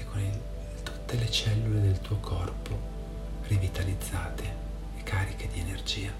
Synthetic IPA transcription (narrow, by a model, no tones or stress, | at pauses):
kʰoni | t̪u̥t̪ːelet͡ʃɛlːuled̪elt̪uːokʰɔrpo | rivit̪alid̪zːaːt̪eː | kaːɾiked̪ienerd͡ʒiːa